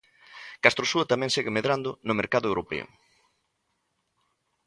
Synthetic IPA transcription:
kast̪ɾosuɐt̪amɛ̃ŋseɣɪmeðɾand̪ʊnʊmeɾkaðʊewɾopɛ̰ʊ̰

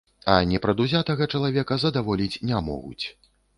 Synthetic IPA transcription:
ɐnʲɛpɾɐd̪uzʲat̪ɐɣɐt͡ʂɐlˠavʲɛkɐzɐd̪avɔlʲit͡sʲnʲamɔ̰ɣṵt͡sʲ

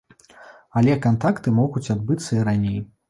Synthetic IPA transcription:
ɐlʲɛkant̪akt̪ɨmɔɣut͡sʲad̪̚bɨt̪sːɐiɾanʲej

